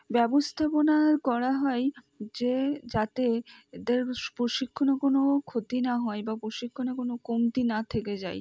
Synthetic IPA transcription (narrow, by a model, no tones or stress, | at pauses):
bɛbost̪ʰaponaɾkɔɾaɦɔe | d͡ʑed͡ʑat̪ed̪eɾpɾoʃikʰːonekonokʰot̪inaɦɔebapɾoʃikʰːonekonokomt̪inat̪ʰeked͡ʑa̰j